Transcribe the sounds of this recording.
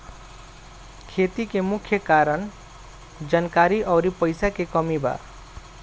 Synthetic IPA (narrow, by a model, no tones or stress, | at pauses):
kʰet̪ikemukʰjʌkaɾʌn | d͡zʌnkaɾiʔʌwɾipʌjsakekʌmiba̰